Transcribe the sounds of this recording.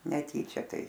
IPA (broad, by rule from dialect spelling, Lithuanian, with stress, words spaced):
nʲɛˈtʲiːt͡ʃʲɛ ˈtɐɪ